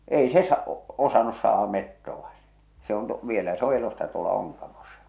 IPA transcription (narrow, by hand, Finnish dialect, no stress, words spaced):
ei se sɑ osɑnus sɑːh̞ɑ metːoʋɑ se̥ se on tu ʋielæ se o elosːɑ tuolɑ oŋkɑmosɑ̥